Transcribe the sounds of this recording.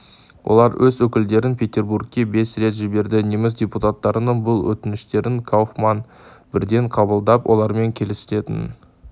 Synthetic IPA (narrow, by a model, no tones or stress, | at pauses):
wʔo̞̰lˠɑɾwʔɵzwɵkʲɪld̪e̞ɾɪnpʰʲe̞t̪ʲe̞rburk̚kʲːe̞be̞sɾe̞t̪ʒɪbe̞ɾd̪ɪnemɪsdʲeput̪at̪ːɑɾənəɴbʊlˠwɵ̰t̪ɪnɪʃt̪e̞ɾɪŋkʰowχmɑn | b̥ɪɾd̪e̞ɴqʰɑbəlˠd̪ɑpwʔo̞̰lˠɑɾme̞ŋkʲʰe̞lɪsɪ̥t̪e̞t̪ɪ̰n